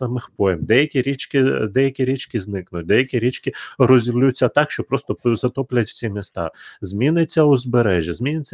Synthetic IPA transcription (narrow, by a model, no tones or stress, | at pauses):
ɑmɪxpɔjɪmd̪ɛjɐkʲiɾʲit͡ʃkɪd̪ɛjɐkʲiɾʲit͡ʃkɪznɪknʊt̚ʲd̪ɛjɐkʲiɾʲit͡ʃkɪrɔzʲilʲujʊt͡sʲːɐt̪ɑkʃt͡ʃɔpɾɔst̪ɔzɐt̪ɔplʲɐtʲw̥sʲimʲist̪ɑ̰zʲmʲinɪt͡sʲːɐʊzbeɾɛʒʲizʲmʲinɪt͡sʲːɐ